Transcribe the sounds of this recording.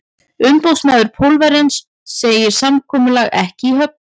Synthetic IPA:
ʏmpowsmaːðʏɾpʰowlvaɾɛnsː | eːjɪɾ̥samkʰɔːmʏlaɣɛhcɪiɦœp̚n

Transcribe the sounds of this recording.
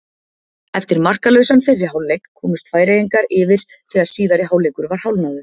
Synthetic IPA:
ɛft̪ɪɾmar̥kalœɥsanfɪrːɪɦaːwlejkʰːɔːmʏst̪faːjɾeiŋkaɾɪvɪɾ̥ | θɛːɣaɾssiːðaɾɪɦawlejkʏɾvaɾ̥hawlnaðʏ̥

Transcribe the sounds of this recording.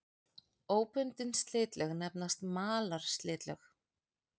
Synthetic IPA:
oːwpʏnt̪ɪnst̪lɪːt̪lœɣnɛp̚nast̪maːlaɾ̥st̪lɪːt̪lœ̰x

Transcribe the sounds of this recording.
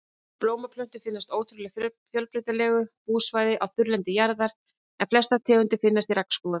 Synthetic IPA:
ploːwmapʰlœn̥t̪ʏfɪnːast̪oːwt̪ʰɾʏlɛ | fjœlpɾɪt̪alɛːɣʏpuːsvaːjðɪʔawθʏɾlɛnt̪ɪjaɾðaɾ̥ | ɛnflɛst̪at̪ʰɛːʏnt̪ɪfɪnːast̪iɾakn̥skuːða

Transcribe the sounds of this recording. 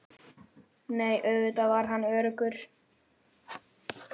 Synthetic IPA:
neːjʔœɥvʏt̪avaɾɦanːœːɾʏkʏɾ̥

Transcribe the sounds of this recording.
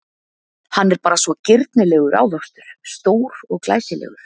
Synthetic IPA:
hanːɛɾpaːɾasvɔcɪɾt̪nɪlɛːɣʏɾʔa̰ːwðɔwst̪ʏɾ̥st̪oːwɾɔɣkla̰ːjsɪlɛ̰ːɣʏɾ̥

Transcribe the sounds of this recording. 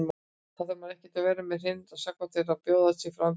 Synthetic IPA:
m | θaðʏɾmaðɛhcɪ̥t̪avɛːɾɪmɛðr̥ɪnt̪asakvat̪ʰɪlaðpjoːwðasɪfɾan

